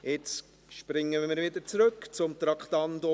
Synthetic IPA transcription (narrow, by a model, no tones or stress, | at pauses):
ɪt͡s | ʃpɾɪŋːəɪmɪɾvɪd̪əɾt͡sɾøkt͡sʊmt̪ɾɑkχt̪ɑndɔ